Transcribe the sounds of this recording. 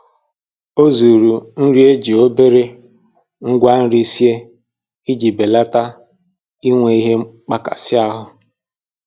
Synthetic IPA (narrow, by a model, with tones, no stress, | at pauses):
o˦zu˨ɾu˨n̩˦ɾi˦e˦d͡ʒi˨o˦be˦ɾe˦ | ŋ̩˦ɡʷa˦n̩˦ɾi˦si˦e˦ | i˦d͡ʒi˨be˨la˦ta˦ | i˦ŋʷe˨i˦ɦe˦k͡pa˦ka̰˨sɪ˦a˦ɦʊ˦